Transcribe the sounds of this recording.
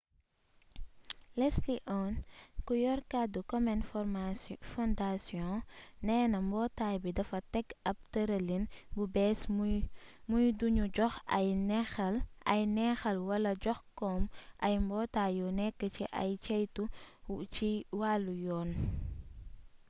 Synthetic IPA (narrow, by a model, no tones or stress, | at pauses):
lɛsliʔɔnkujɔɾkadukɔmɛnmfɔndasiɔ̃nɛːnɐmbɔːtaːjbidɐfɐtɛkɐp̚tɐɾɐlinbubɛs | mujduɲuɟɔxjlɐjnɛxɐlwɐlɐɟɔxkɔmʔɐjmbɔːtaːjɔnɛkːəciʔɐ̰jt͡ʃɛjtut͡ʃiwaːlːujɔːn